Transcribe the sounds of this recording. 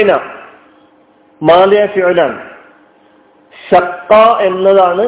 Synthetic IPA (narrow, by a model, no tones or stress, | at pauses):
na̰ | maːlijaːfiʕlan | ɕɐqːaːe̞nːɐðaːɳɨ